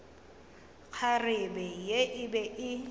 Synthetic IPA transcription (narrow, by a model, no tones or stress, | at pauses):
k͡xʰarɪbɛjeʔɪbɛʔɪ